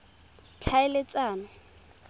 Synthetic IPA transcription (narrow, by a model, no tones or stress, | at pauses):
t͡ɬʰaɪlɪt͡sʼaːnɔ